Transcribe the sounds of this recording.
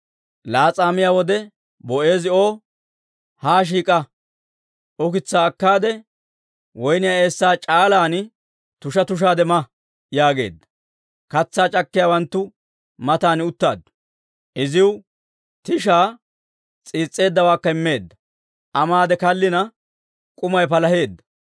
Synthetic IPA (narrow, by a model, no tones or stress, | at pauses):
laːt͡sʼaːmɪjaːwɔd̪ɛ | bɔʔe̞ːzɪo̞ː | haːʃ̬iːkʼɐ | ɔkɪt͡sːaːkːaːd̪ɛ | wɔjnɪjae̞ːsːaːt͡ʃʼaːlaːn | t̪ʊʃɐt̪ʊʃ̬aːd̪ɛmɐ | jaːɡe̞̰ːd̪ːɐ̥ | kɐt͡sːaːt͡ʃʼɐkːɪjaːwɐnt̪ːʊ | mɐt̪aːnɪʊt̪ːaːd̪ːʊ̥ | ʔɪzɪw | t̪ɪʃaː | t͡sʼiːt͡sʼːe̞ːd̪ːɐwaːkːɐɪmːe̞ːd̪ːɐ | ʔɐmaːd̪ɛkɐlːɪnɐ | kʼʊmɐjpɐlɐhe̞ːd̪ːɐ̥